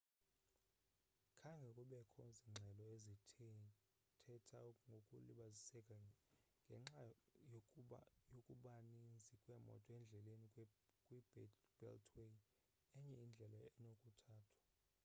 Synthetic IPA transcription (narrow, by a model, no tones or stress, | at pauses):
kʰaŋɡʱɛkʼuɓɛkʰɔziŋ͡ǁʱɛlɔezitʰ | tʰɛtʰa̰ŋɡʱokʼṵliɓazisɛkʼaŋɡʱɛŋ͡ǁajojokʼuɓanind͡zʱikʼwɛmɔ̰tʼɔɛnd͡ɮʱɛlenikʼwib̥ɛ̰ltʰwe | ɛɲɛind͡ɮʱɛlaɛnokʼutʰaːtʰwḁ